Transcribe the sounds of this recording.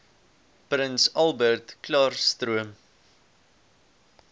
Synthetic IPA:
prənsɐlˠbərtklɑːrstruəm

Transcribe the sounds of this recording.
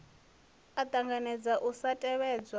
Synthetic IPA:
atʼaŋɡanɛd͡zaʔusatʼɛβɛːd͡zwa

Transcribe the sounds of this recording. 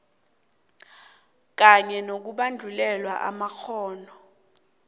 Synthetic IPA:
k̬aɲɛnok̬uɓand͡ɮʱulɛlwa̰ʔa̰maxʰɔːnɔ

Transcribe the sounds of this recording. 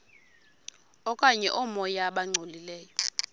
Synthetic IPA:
ɔkʼaɲɛʔɔmɔjaɓaŋ͡ǀʱolilɛːjɔ

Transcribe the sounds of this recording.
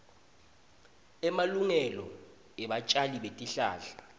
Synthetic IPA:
ɛmaluŋɛlɔ | ɛɓat͡ʃʼaliɓetʼiɬa̰ːɬḁ

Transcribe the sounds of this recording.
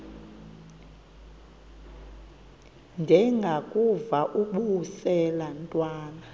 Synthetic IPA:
nd͡ʒʱɛŋɡʱakʼuvaʔukʼuhusɛlantʼwaːna

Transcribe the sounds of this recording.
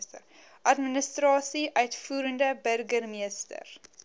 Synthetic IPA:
ə | ʔɐtminəstrɑːsiʔœɥtfuːɾəndəbərɡərmiəstə̰r

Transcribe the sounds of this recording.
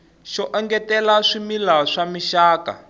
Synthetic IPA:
ʃɔʔɛŋɡɛtɛlaʂimilaʂamiʃaːka̰

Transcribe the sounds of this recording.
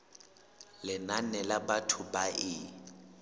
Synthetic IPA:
lɪnanɛlabatʰʊbaʔɪ

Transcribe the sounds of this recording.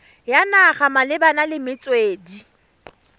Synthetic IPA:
janaχamalɪbanalɪmɪt͡sʼweːdi

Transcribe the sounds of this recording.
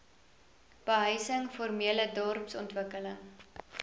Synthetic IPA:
b̥əɦœɥsəŋformiələdɔrpsɔntvəkələŋ

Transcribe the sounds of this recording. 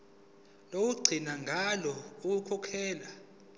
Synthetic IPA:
lowuɡ͡ǀʱinaŋɡʱalɔukukʰɔkʰɛːla

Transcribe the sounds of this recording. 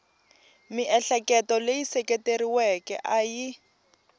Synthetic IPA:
miʔɛɬɛkɛtɔlejisɛkʼeteɾiwɛkɛ̰ʔaji

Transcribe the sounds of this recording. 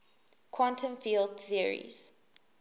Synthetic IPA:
kʰwãntə̃nfiːld̚θiəɹḭz̥

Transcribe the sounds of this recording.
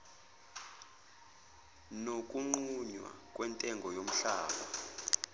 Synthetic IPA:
nok̬ʼuŋ͡ǃuɲwa̰kʼwɛntʼɛŋɡʱɔjom̩ɬaːɓa

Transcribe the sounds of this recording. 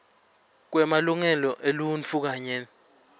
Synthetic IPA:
k̬wɛmaluŋɛlɔʔelunt͡fʰuk̬aɲɛn

